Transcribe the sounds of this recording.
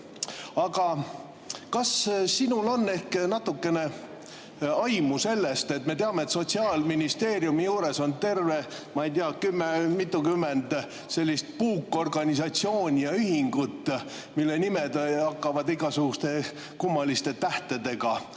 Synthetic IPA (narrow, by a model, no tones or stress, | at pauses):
ɑɡ̥ɑ | kɑssinulo̞nːe̞hknɑt̪ːukːe̞ne̞ | ɑjmuse̞lːe̞st̪e̞t̪me̞t̪eɑme̞et̪so̞t̪ʲsiɑːlminist̪e̞ːɾjumijuːɾe̞so̞nt̪e̞rve̞mɑijt̪iɑkymːemit̪ːˑukymːend̪̥ | se̞lʲːist̪̚puːkːˑo̞rɡɑnʲisɑt̪sio̞ːnʲijɑyɦiŋɡ̥ut̪ː | milːe̞nimed̪hɑkːɑvɑd̪iɡ̥ɑsuɡ̥ust̪e̞ | kumːɑlist̪e̞t̪æht̪e̞d̪e̞ɡ̥ɑ